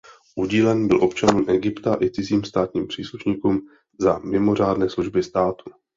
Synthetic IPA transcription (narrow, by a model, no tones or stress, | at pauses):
ʔuɟiːlɛnibɪ̰lʔo̞pt͡ʃanuːmʔɛɡɪpt̪aʔɪt͡sɪziːmst̪aːt̪ɲiːmpr̝̥iːsluʃɲiːkuːm | zamɪmo̞r̝aːdnɛːsluʒbɪst̪aːt̪u̥